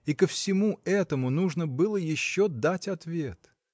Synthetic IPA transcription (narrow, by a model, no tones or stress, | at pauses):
ikəfsʲɪmuɛt̪əmʊnuʐnəbɨlˠəjɪɕːod̪atʲɐt̪vʲe̞t̪